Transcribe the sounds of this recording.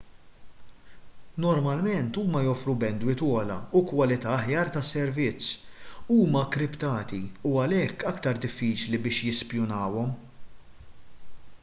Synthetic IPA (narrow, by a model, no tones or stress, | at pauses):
nɔɾmɐlmɛnt̪uːmɐjɔfɾubɛnd̪wɪt̪wɔːlɐ̰ukwɐlɪt̪ɐːħjɐːɾt̪ɐsːɛɾvɪt͡sːuːmɐkːɾɪpt̪ɐːt̪iuɐlɛkːɐkt̪ɐɾd̪ɪfːiːt͡ʃlibɪːʃjɪspjʊnɐːwɔm